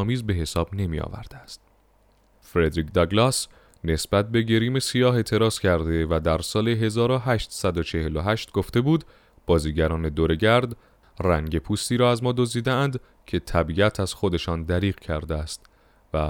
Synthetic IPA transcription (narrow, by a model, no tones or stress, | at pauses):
miːzbe̞ɦe̞sɒːb̥ne̞mḭɒ̰væ̰ɾd̪̥eæst̪̚ | fɾed̪ɾiːkʰd̪ɑɡlɑs | ne̞sb̥æt̪̚be̞ɟeɾiːme̞sijɒːɦe̞t̪ʰe̞ɾɒːz̥cʰæɾd̪e̞væd̪æɾsɒːle̞ɦe̞zɒːɾoɦæʃt̪sæd̪ot͡ʃʰe̞he̞loɦæʃt̪ɡoft̪e̞buːd̪ | b̥ɒːziːɟæɾɒːne̞d̪oɾe̞ɟæɾd̪ | ræŋɟe̞pʰuːst̪iːɾɒːæzmɒːd̪ozd̪iːd̪eænd̪ | cʰe̞t̪ʰæbiæt̪ʰæz̥xo̞d̪e̞ʃɒːnd̪æɾiːɣ̥cʰæɾd̪eæst̪ | væ